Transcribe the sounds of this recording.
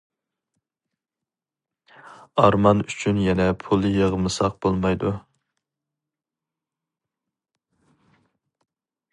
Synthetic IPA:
ɑɾmɑnyt͡ʃʰynjɛnɛpʰulˠjəʁmɨsɑq̚bolˠmɑjd̪u

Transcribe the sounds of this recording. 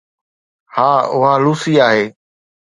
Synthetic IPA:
haːʊɦaluːsiːaːɦeː

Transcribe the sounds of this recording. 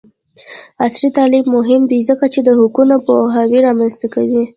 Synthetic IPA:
asɾit̪ɑlibmʊɦɪmd̪izəkat͡ʃed̪əhʊkunapoɦawiɾɑmanzt̪akawi

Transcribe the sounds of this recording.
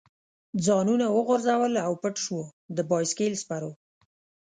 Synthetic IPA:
d͡zɑnunawəɣʊɾzawəlawpəʈʃwod̪əbɑjskelspaɾo

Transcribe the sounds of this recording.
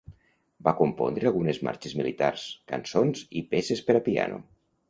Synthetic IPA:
bakompo̰nd̪ɾealˠɣunezma̰ɾt͡ʃezmilit̪aɾskansonzipesespeɾapia̰nʔo̰

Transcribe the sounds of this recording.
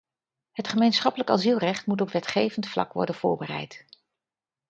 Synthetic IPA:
ɦətχəmejnsχɑpələkɑ̰zilˠrɛχtmutɔpʋɛtχejvəntflɑ̰kʋɔ̰ɹdənv̥ʊːɹbərɛ̰jt

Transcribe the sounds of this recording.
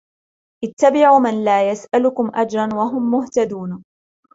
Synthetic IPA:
ʔɪt̪ːabɪʕuːmanlaːjasʔalʊkʊmʔad͡ʒɾˤɑnwaɦʊmːʊht̪ad̪uːn

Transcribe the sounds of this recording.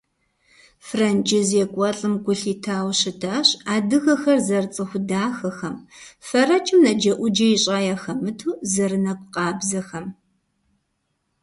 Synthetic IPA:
frɐnt͡ʃʼɪzjekʷʼɔɬʼɨmɡʷʊɬiːtʰaːwɕɪtʰaːɕaːdɨɣɐxɐrzɐrt͡sʼɨxʷʊdaːxɐxɐmfɐrɐt͡ʃʼɪmnɐd͡ʒɐʔʷʊd͡ʒɐjɪɕʼaːjaːxɐmɨtʰuːzɐrɨnɐkʷʼʊqʼɑːbzɐxɐm

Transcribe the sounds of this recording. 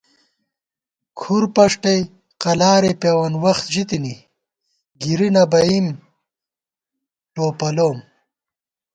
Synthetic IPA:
kʰuɾpɐʂʈɐj | qɐlaːɾepjawɐnwɐxt̪ʑit̪ini | ɡiɾinɐbɐim | ʈoːpɐloːm

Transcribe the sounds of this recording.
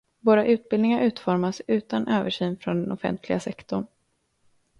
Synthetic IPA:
voːɾaʔʉ̟ːt̪̚bɪlnɪŋaɾʔʉ̟ːt̪fɔɾmasʉ̟ːt̪anʔøːvəʂyːnfɾɔnd̪ɛnɔfɛ̰nt̪ʰlɪɡasɛkt̪ɔɳ

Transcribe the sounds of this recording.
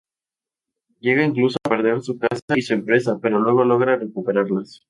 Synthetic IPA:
ɟ͡ʝe̞ɣaiŋklusoape̞ɾðe̞ɾsukasaisue̞mpɾe̞s̬ape̞ɾo̞lwe̞ɣ̞o̞lo̞ɣɾare̞kupe̞ɾaɾlas

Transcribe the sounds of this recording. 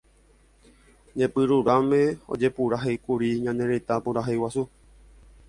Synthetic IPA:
ɲẽpɨɾuɾamẽo̰d͡ʒe̞puɾaɦejkuɾiɲãnẽ̞ɾet̪apuɾaɦejwasu

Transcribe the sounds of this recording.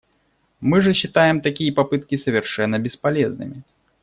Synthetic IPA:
mɨʐəɕːit̪ajɛmt̪akʲijɐpapɨt̪̚kʲisɐvʲɪrʂɛnːɐbʲɪspalʲɛznɨ̰mʲɪ

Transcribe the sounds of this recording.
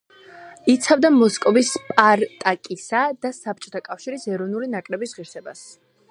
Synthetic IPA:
it̪sʰavd̪amɔskʼɔvispʼaɾt̪ʼakʼisad̪̥asap̚t͡ʃʼɔ̥t̪ʰakʼafʃiɾisɛɾɔnulinakʼɾɛbisʁiɾsɛbas

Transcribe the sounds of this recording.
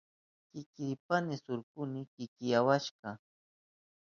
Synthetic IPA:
kɪkɪjpanɪsʊɾkʊnɪkɪkɪjawaʃɢɑ

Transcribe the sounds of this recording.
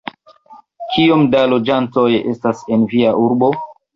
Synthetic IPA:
kʰiomdalo̞d͡ʒanto̞je̞stase̞nviaʔuɾbo̞

